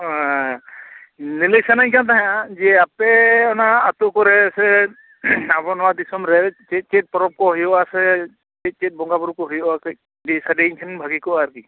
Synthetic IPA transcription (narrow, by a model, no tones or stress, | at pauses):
nelejsanajkant̪aɦɛ̃ad͡ʒɛapɛɔnaːt̪ukɔɾɛsɛ | abɔnɔwad̪isɔmɾɛt͡ʃet̚t͡ʃet̚pɔɾɔp̚kɔɦɔjɔasɛ | t͡ʃet̪̚t͡ʃet̚bɔŋɡabɔɾukɔɦɔjɔak | disadeŋkʰɛnbʱaɡikɔaɾki